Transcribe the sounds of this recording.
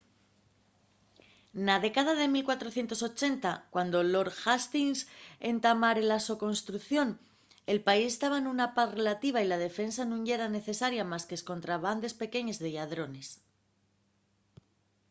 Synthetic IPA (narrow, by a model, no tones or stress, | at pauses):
naðe̞kað̞að̞e̞milkwat̪ɾo̞θje̞nt̪o̞so̞t͡ʃe̞nt̪akwand̪o̞lo̞ɾxast̪inse̞nt̪amaɾelaso̞ko̞nst̪ɾuθjo̞n | e̞lpaisest̪aβaenunapaθre̞lat̪iβ̞ailað̞e̞fe̞nsanũɲʝe̞ɾane̞θe̞saɾjamaskesko̞nt̪ɾaβ̞and̪e̞spe̞ke̞ɲe̞zðe̞ʝaðɾo̞ne̞s